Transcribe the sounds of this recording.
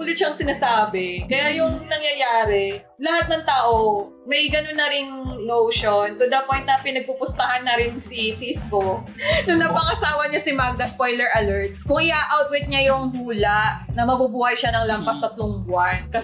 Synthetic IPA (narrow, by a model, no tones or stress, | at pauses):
huːlɪt̪ʃɐŋsɪnasaːbɛkɐjajʊŋnɐŋjɐjaːɾɛ | lɐhat̪̚nɐŋt̪aːʔo | mɐjɡɐnonːɐɾɪŋnowʃont̪ʊd̪ɐpojnt̪̚nɐpɪnɐɡ̚pupʊst̪ɐhanːɐɾɪnsisisko | nʊŋnɐpɐŋɐsaːwɐɲasɪmaɡ̚d̪ɐspojlɛɹʔɐlɛɹt̪̚kʊŋʔɪʔaːʔawt̪̚wɛt̪̚ɲajʊŋhuːlaʔnɐmɐbubuːhɐjʃanɐŋlɐmpɐsɐt̪lʊŋbwan̚kɐ